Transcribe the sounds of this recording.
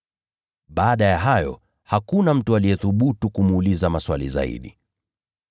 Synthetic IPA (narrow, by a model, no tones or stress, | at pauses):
ɓaːɗajaɦajɔ̰ | hakunam̩tualijɛθuɓutukumuːlizamaswalḭza̰ḭɗḭ